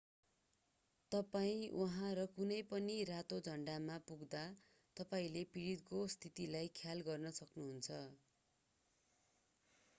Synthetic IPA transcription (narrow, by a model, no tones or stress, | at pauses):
t̪ʌpaĩwʔuɦãɾʌkunʌjpʌnirat̪od͡zʱʌɳɖamapuɡd̪a | t̪ʌpaĩlepiɽit̪̚kost̪ʰit̪ilajkʰjalɡʌrnʌsʌknuɦunt͡sʰʌ